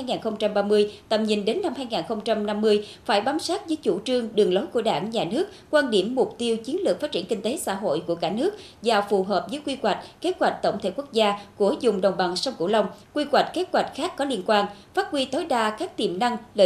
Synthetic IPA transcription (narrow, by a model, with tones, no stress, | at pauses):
aː˧jŋaː˨˩nxə˧wŋ͡mt͡ɕa˧mɓaː˧mɨ˧əjt̪ə̰˧˨˩mɲi˨˩ŋɗe˨˦nːa˧mhaː˧jŋaː˨˩nxə˧wŋ͡mt͡ɕa˧mna˧mːɨ˧əjfaː˧˩jɓaː˨˦msaː˦˥t̚vəː˨˦jt͡ɕu˧˩t͡ɕɨ˧əŋɗɨ˨˩əŋlo˨˦jku˧˩əɗaː˧˩ŋɲaː˨˩nɨ˦˥ək̚kwaː˧nɗi˧˩əmːʊ˨˩k͡p̚t̪i˧əwt͡ɕi˨˦ənlɨ˨˩ək̚faː˦˥t̚t͡ɕi˧˩əŋki˧ŋt̪e˨˦sa̰ː˧˥ɦo̰˧˨jku˧˩əkaː˧˩nɨ˦˥ək̚ | zaː˨˩fu˨˩ɦəː˨˩p̚vəː˨˦jkwi˧kwa˨˩jk̟̚ke˦˥t̚wa˨˩jk̟̚t̪ə˧˩wŋ͡mt̪ʰe˧˩kwək̚zaː˧ku˧˩əzʊ˨˩ŋ͡mɗə˨˩wŋ͡mɓa˨˩ŋsa˧wŋ͡mkṵ˧˩lə˧wŋ͡mkwi˧kwa˨˩jk̟̚ke˦˥t̚ɣwa˨˩jk̟̚xaː˦˥kːɔ˨˦li˧ənkwaː˧n | faː˦˥t̚kwi˧t̪o˨˦jɗaː˧kaː˦˥k̚t̪i˨˩mna˧ŋlə˧